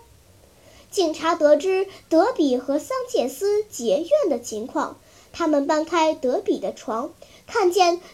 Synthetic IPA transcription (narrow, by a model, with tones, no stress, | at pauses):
t͡ɕi˨˩ŋʈ͡ʂʰa˧˥t̪ɤ˧˥ʈ͡ʂɻ̩˥t̪ɤ˧˥pi˨˩xɤ˧˥sɑ˥ŋt͡ɕjɛ˥˩nsɹ̩˥t͡ɕjɛ˧˥ɥɛ˥˩nd̪ə˩t͡ɕʰi˧˥ŋkʰwɑ̰˥˧ŋ | t̪ʰa˥mə˨npa˥nkʰa˥ɪt̪ɤ˧˥pi˨˩d̪ə˦ʈ͡ʂʰwɑ˧˥ŋ | kʰa˥˧nt͡ɕjɛ˥˩n